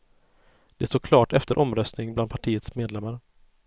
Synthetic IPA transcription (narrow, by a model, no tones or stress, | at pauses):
d̪̥ɛst̪oːkʰlɑːʈɛft̪əɾʔɔmɾœst̪nɪŋbland̪pʰaʈʰiːət̪smeːd̪lɛmːaɾə